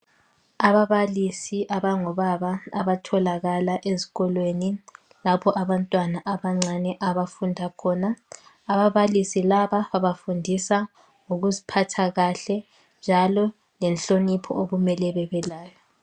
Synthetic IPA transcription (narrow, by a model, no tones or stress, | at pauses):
aβaβalisiʔaβaŋɔβaβaːβatʰɔlaɣalaʔezi̥ɣɔlweni | lapʰɔʔaβantʼwanaʔaβaŋ͡ǀanɛʔaβafundʱakʰɔːnaː | βaβalisilaβaβaβafundʱisa | ŋuɣuzipʰatʰaɣaɬɛ | nd͡ʒʱalɔ | lɛnɬonipʰɔ̰oɣumɛlɛβɛβɛlaːjɔ